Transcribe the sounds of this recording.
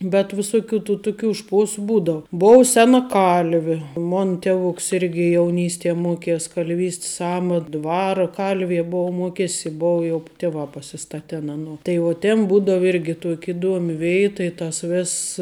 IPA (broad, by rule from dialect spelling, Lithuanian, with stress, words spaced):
bʲɛt ʋʲɪˈsʊˌkʲuː tuː ˈtʊˌkʲuː ˈʃpuɔsʊ ˈbuːdɐʋʊ ˈboːw ˈsʲæːnɐ ˈkɐlʲʋʲɪ ˈmoːn ˈtʲæːʋʊks ˈɪrʲɡʲɪ jɛʊˈnʲiːsʲtʲiɛ ˈmuɔkʲiɛs kɐlʲˈʋʲiːsʲtʲs ˈɑːmɐt ˈdʋɑːrɐ ˈkɐlʲʋʲiɛ ˈboːʊ ˈmuɔkʲɛsʲɪ ˈboːʊ jɛʊ ˈtʲɪʋɑː pɐsʲɪˈstɑːtʲɛn ˈɑːnuɔ tɐɪ ˈjɛʊ tʲeːn ˈbuːdɐw ˈɪrʲɡʲɪ tuɔkʲ ɪˈduɔmʲɪ ˈʋʲɛɪtɐ ɪ tɐs ˈʋʲeːss